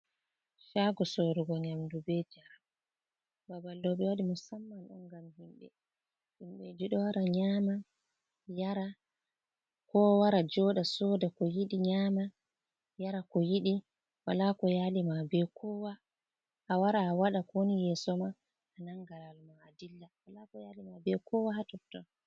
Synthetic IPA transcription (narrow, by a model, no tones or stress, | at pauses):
ʃaɡɔsoɾuɡɔɲamdubɛd͡ʒaɾa | babalːɔɓɛwaɗimusamːanɗɔnɡamhimɓɛ̰ | ɗimɓɛd͡ʒiɗɔwaɾaɲama | jaɾa | kɔwaɾad͡ʒɔɗasɔdakɔjiɗiɲama | jaɾakɔjiɗi | walakɔjaːlimabɛkʰɔwa | ʔːwaɾaːwaɗakonijɛsɔma | ʔanaŋɡaɾalmaːdilːawalakɔjalimabɛkʰɔwahatɔtːɔ